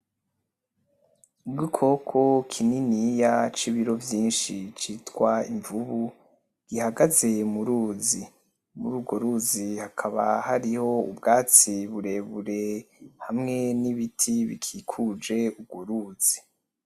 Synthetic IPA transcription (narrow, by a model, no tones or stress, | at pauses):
ubɡikʰo̞kʰokʰininijat͡ʃiβiɾo̞vjiːnʃit͡ʃitwaiɱvuβu | ɡ̥ihaɡaze̞muɾuːzi | muɾuːɡo̞ɾuzihakʰaβa̰haɾiho̞ṵbɡaːt͡siβuɾe̞βuɾe̞hamŋe̞niβitʰiβikʰikʰud͡ʒe̞ub̚ɡoɾuːz̥i